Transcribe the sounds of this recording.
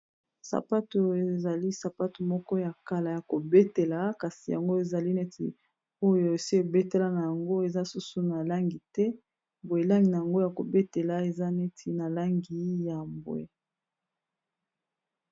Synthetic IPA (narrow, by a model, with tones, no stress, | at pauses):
sa̰˨pa˦to˨e˨za˨li˦sa˨pa˦to˨mɔ˦kɔ˦ja˨ka˨la˨ja˨ko˨be˦te˨la˨ka˨si˨ja̰˨ŋɡo˦e˨za˨li˦ne˦tḭ˨ | o˦jo˨e˨si˦o˨be˦te˦la˨na˨ja˨ŋɡo˦e˨za˦su˦su˨na˨la˦ŋɡi˨tɛ˦ | bwe˨la˦ŋɡi˨na˨ja˨ŋɡo˦ja˨ko̰˨be˦te˨la˨e˨za˦ne˦tʰi˨na˨la˦ŋɡi˨˦ja˨mbw̰ḛ˨